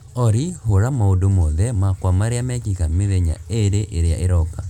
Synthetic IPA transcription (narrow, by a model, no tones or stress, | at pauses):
ɔɾihoɾamaodomɔðɛmakwamaɾeamɛkikameðeɲa̰eɾeʔeɾea̰ʔeɾɔka